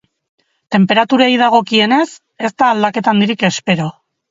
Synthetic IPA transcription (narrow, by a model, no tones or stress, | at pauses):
t̪e̞mpe̞ɾat̪uɾajð̞aɣ̞o̞kie̞ne̞s | e̞st̪aːld̪ake̞t̪and̪iɾike̞spe̞ɾo̞